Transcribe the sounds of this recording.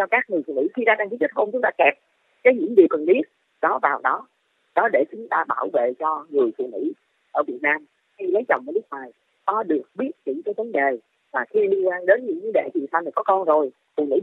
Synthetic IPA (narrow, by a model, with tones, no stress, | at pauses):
t͡ɕɔ˧kaː˦˥k̚ŋɨ˨˩əjfu˧˨ŋḭ˧˥xi˧zaː˧ɗaː˧ŋki˨˦˥t͡ɕə˦˥t̚ho˧mt͡ɕʊ˨˦ŋ͡mt̪aː˧kɛ˨˩p̚ | kaː˨˦jɲɨ̰˧˥ŋɗi˨˩əwkə˨˩nɓi˦˥ət̚ | ɗɔ˨˦vaː˨˩wɗɔ˨˦ | ɗɔ˨˦ɗe˧˩t͡ɕʊ˨˦ŋ͡mt̪aː˧ɓaː˧˩wvḛ˧˨t͡ɕɔ˧ŋɨ˨˩əjfṵ˧˨ŋḭ˧˥ | ʔəː˧˩vi˨˩ət̚naː˧m | xi˧lə˨˦jt͡ɕə˨˩wŋ͡mʔəː˧˦lk̚waː˨˩j | kɔ˨˦ɗɨ˨˩ək̚ɓi˦˥ət̚t͡ɕḭ˧˩˦t͡ɕaː˨˦jvə˨˦nɗe˨˩ | vaː˨˩xi˧li˧ənkwaː˧nɗe˨˦nɲɨ̰˧˥ŋvə˨˦ɗḛ˧˨t͡ɕi˨˩nsa˧wniː˨˩kɔ˨˦kɔ˧nzo˨˩j | fṵ˧˨ŋḭ˧˥